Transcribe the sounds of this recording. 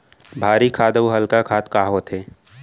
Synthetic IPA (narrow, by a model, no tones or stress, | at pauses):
bʱaːɾikʰaːd̪uɦəlkakʰaːt̪kaːɦoːt̪ɦeː